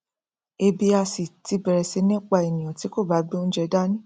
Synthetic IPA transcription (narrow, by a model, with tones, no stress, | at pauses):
e˧bi˧a˧si˨ti˨˧bɛ˨ɾɛ˨se˨˦nĩ˦˨k͡pa˧e˨nĩ˨ã˨ti˨˦ko˦˨ba˨˦ɡ͡bi˦õ˦d͡ʒɛ˧da˦nĩ˦